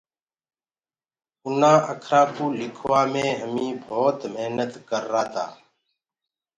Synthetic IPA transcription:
ʊnãːʔəkʰɾãːkoːlɪkʰʋaːmẽːɦəmĩːbʱoːt̪meɦnət̪kəɾːaːt̪a̰ː

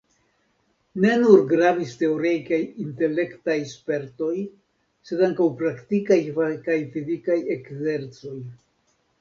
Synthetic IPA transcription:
ne̞nuɾɡɾaviste̞o̞ɾejkajinte̞le̞ktajspe̞ɾto̞j | se̞daŋkawpɾaktikajakajfizikaje̞kze̞ɾt͡so̞j

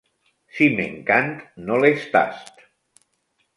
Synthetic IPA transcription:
simḛŋkant̪nolest̪a̰st̪

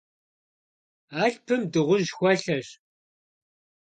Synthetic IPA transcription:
aːɬpʰɨmdɨʁʷʊʑxʷɐɬɐɕ

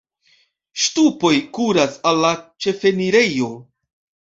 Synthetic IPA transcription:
ʃtupo̞jkuɾasalːat͡ʃe̞fe̞niɾe̞jo̞

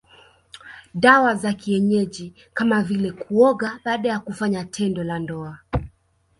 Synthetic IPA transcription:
ɗawazakiɛɲɛʄi | kamavilɛkʰuɔɠaɓaːɗajakufaɲatʰɛndɔlandɔa

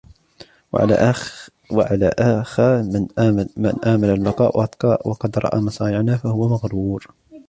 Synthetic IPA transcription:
w̰ʕa̰la̰ʔa | wa̰ʕalaʔaxanmɪ̰nʔaːmalalːɑqɑːʔwɑd̪qɑʔwɑqɑd̪ɾˤɑ̰ʔa̰ːmɑsˤɑːnɪʕnafahʊwːamaɣɾuːɾ

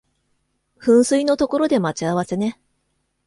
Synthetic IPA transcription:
ɸɯ̟̃ɰ̃sɨino̞t̪o̞ko̞ɾo̞d̪e̞mat͡ɕiaβ̞ase̞ne̞

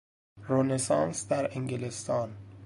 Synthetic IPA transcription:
ɾonesɑːnsd̪æɾeŋɡelest̪ɒːn

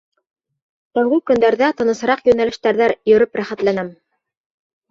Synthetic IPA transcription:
t̪æwɡɘkɵ̆nd̪æɾðæt̪ɤ̆nɤ̆sɤ̆ɾɑqjɵ̆nælɘ̆ʃt̪æɾðæɾjɵ̆ɾɵpɾæχæt̪lænæm

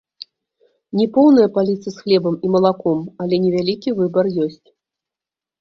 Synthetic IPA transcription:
nʲɛpɔwnɐjɐpalʲit̪sɐsxlʲɛbɐmimɐlˠakɔmɐlʲɛnʲɛvʲalʲikʲivɨbɐrjɔsʲt͡sʲ

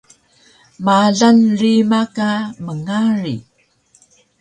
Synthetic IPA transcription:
maɮanrimakaməŋaɾḭ

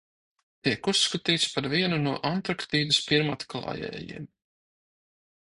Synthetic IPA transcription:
t̪iɛkusːkat̪iːt̪spaɾviɛnunuɔʔant̪ɾakt̪iːd̪ɨspiɾmat̪klˠɑ̰ːjɛ̰ːjḭɛm

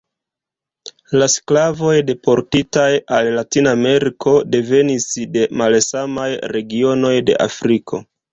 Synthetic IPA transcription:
lasklavo̞jde̞pʰo̞ɾtitajalːatinaːme̞ɾikʰo̞de̞ve̞nisde̞malsamajɾe̞ɡio̞no̞jde̞̰ʔa̰fɾikʰo̞̰

